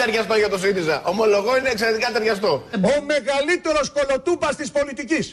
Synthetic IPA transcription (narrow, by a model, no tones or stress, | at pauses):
t̪ɐɾʝɐst̪oʝɐt̪o̞siizɐʔomo̞lo̞ɣosineːkseɾet̪ikɐt̪ɐɾʝɐst̪o̞ome̞ɣɐlit̪e̞ɾo̞sko̞lo̞t̪upɐst̪ispo̞lit̪icis